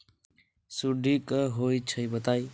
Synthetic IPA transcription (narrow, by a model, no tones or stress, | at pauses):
suɖʱikəɦojt͡ʃʰʌjbət̪aj